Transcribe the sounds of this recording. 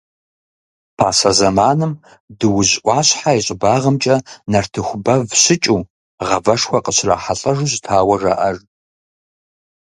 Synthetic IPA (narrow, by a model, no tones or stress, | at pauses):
pʰaːsɐzɐmaːnɨm | dɨwʊʑʔʷɑːɕħaiɕʼɪbaːʁəmt͡ʃʼɐnɐrtʰɨxʷʊbɐvɕɪt͡ʃʼuː | ʁɐvɐʂxʷɐqəɕra̰ːħaɬʼɐʐuʑtʰaːwɐʐa̰ʔɐr